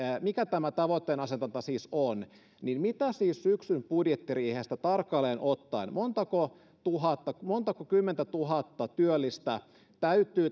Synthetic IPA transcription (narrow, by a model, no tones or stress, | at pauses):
mikæt̪æmæt̪ɑʋot̪ːeːnɑset̪ɑnt̪ɑsiːson | ninmit̪æsiːssyksympudjet̪ːiriːheːst̪æt̪ɑrkːɑleːnʔot̪ːɑinmont̪ɑko | t̪uɦɑt̪ːɑmont̪ɑkokymːent̪æt̪uɦɑt̪ːɑt̪yølːist̪æ | t̪æyt̪ːˑyː